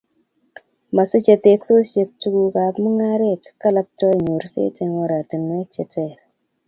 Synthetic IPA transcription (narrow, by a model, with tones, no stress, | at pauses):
ma˨sə˦t͡ʃe˨te˦kso˦se˨˦p̚tu˦ɡu˦ka˨pmu˦ŋa˦ɾe˦˨ti̥˨˦kːa˦la˦p̚tɔ˦˨ɲo˨ɾsḛ˦te˨ŋo˦ɾa˨ti˨n˦e˦t͡ʃe˨te˦˨ɾ